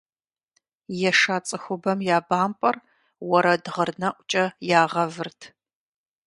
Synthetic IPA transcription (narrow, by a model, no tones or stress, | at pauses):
jɛʂaːt͡sʼɨxʷʊbɐmjaːbaːmpʼɐr | wɔɾɐdʁərnɐʔʷʼt͡ʃʼɐjaːʁɐvɨrtʰ